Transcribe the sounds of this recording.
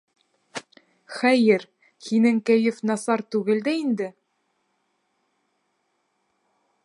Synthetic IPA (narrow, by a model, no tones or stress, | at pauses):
χæjɘɾ | hinɘŋkæjɘfnɑsɑɾt̪ʉɡɘld̪æind̪ɘ